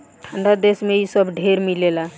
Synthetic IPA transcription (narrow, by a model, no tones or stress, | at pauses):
ʈʰãɳɖad̪esmẽɦisəbɖʱeɾmilela